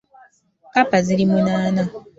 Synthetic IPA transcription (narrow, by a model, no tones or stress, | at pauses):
papaziɾimunaːna